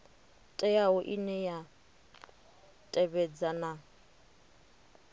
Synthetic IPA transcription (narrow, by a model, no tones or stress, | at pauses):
tʼɛaʊʔinɛja | tʼɛβɛd͡zana